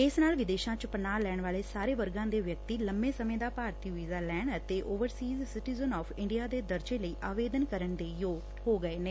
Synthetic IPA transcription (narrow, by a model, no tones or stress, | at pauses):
ɪsnaːlʋɪd̪eːʃãːt͡ʃəpənaːlɛːɳʋaːleːsaːɾeːʋəɾɡãːd̪eːʋjək̚t̪iːləmbẽːsəmẽːd̪aːpaːɾt̪iːʋiːzaːlɛːɳɖət̪eːʔoːʋəɾsiːzsɪʈiːzənɔːpʰɪɳɖijaːd̪eːd̪əɾd͡ʒeːləiːʔaːʋeːd̪ənkəɾəɳd̪eːjoːɡ | ɦoːɡəeːneː